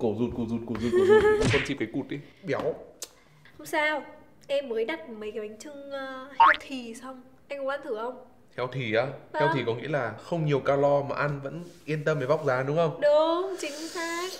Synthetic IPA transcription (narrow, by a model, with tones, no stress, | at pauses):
ko˧˩zu˧˩n̚ku˧˩zu˧˩ko˧˩zu˧˩˧u˧˩˧fə˧nt͡ɕi˨˩p̚kaː˨˦jku˨˩t̚ɗi˨˦ɓi˨˦əw | hə˧wŋ͡msaː˧w | ʔɛ˧mːəː˨˦jɗa˨˩t̚mə˨˦jka˨˦ʔa˨˦jŋ̟t͡ɕɨ˧ŋː˧hɛ˧˦wt̪ʰi˨˩sa˧wŋ͡m | ʔa˧jŋ̟kva̰ː˧˥nt̪ʰɨ˧˩ʔə˧wŋ͡m | hɛ˨˩˦wt̪ʰi˨˩ʔaː˧hɛ˧wt̪ʰi˨˩kɔ˨˦ŋḭ˧˥əlaː˨˩xə˧wŋ͡mɲi˨˩əwkaː˧lɔ˧maː˨˩ʔa˧nvə̰˧˥nʔi˧ənt̪ə˧mvəː˨˦jva˦˥k͡p̚zaː˨˦ɗʊ˨˦ŋ͡mxə˧wŋ͡mɗʊ˨˦ŋ͡mt͡ɕï˨˦ŋ̟saː˦˥k̚